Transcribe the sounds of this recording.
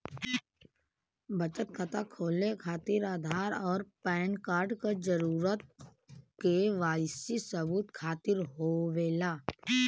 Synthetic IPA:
bət͡ʃət̪̚kʰət̪akʰoːlekʰaːt̪ɪɾaːd̪ʱaːɾɔːɾpɛ̃ːnkaːɾɖkad͡ʒəɾuːɾət̪̚ | keʋaːsisəbuːt̪kʰaːt̪ɪɾɦoʋeːlaː

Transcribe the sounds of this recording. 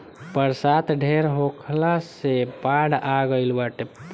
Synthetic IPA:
pəɾsat̪ɖʱeɾɦokʰlasepaɽaɡəɪlbaʈe

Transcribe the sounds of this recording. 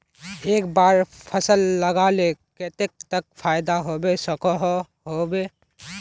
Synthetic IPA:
eːk̚baːɾpʰəsəlːəɡaleket̪ek̚t̪ək̚pʰaːjd̪aɦobesəkəɦ | ɦobe

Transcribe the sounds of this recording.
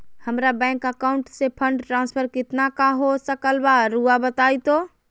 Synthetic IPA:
həmɾabɛ̃ŋkəkaʊɳʈsepʰəɳɖʈɾãnspʰəɾkɪt̪nakaɦosəkəlbaɾuabət̪ajt̪o

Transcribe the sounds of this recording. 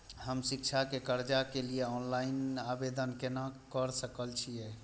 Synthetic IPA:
həmsik̚t͡ʃʰakekəɾd͡ʒakelieɔnlainabed̪ənkenakəɾsəkəlt͡ʃʰijɛ

